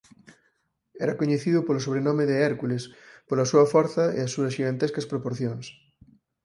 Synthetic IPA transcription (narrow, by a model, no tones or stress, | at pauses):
ɛɾɐkoɲeθiðʊpolosoβ̞ɾenɔmeðeɛɾkulespolɐsuɐfɔɾθɐḛasuɐsʃiɣant̪eskɐspɾopoɾθjoŋs